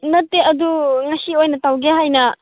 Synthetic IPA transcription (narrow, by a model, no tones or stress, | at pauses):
nɐtːeɐd̪uŋɐsiojnɐtawɡeɦajnɐ